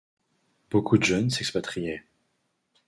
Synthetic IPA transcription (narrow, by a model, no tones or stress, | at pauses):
b̥okud̪əʒœnsɛkspat̪χijɛ